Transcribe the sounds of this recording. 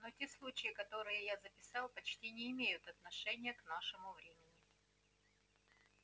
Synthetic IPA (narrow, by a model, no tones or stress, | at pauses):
notʲeslˠut͡ɕɪɪkɐt̪o̞ɾɨjəjazəpʲɪsɑlˠpɐt͡ɕtʲinʲɪːmʲejʊt̪ɐt̪nɐʂɛnʲɪjəknaʂɨmʊvɾʲemʲɪnʲɪ